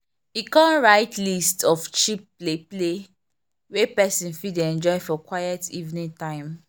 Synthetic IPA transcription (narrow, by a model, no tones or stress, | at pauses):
ikãnɹaɪtlistɔft͡ʃipːleple | wepɛsĩnfideɛ̃nd͡ʒɔɪfɔkwajɛtʰivnĩntãɪ̃m